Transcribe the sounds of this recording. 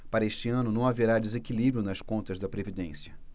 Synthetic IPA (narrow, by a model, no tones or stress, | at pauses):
paɾɐeʃt͡ʃiɐ̃nʊnɐ̃w̃aveɾad̪ezekilibɾjʊnɐskõnt̪ɐzd̪ɐpɾevid̪ẽsjɐ